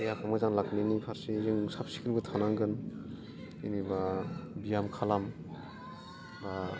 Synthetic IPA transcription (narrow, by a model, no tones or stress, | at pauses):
ejakʰamazaŋlak̚ninipʰaɾsizɯŋsap̚si̥kʰilbɯtʰanaŋɡɯn | inibabijamkʰalam | ba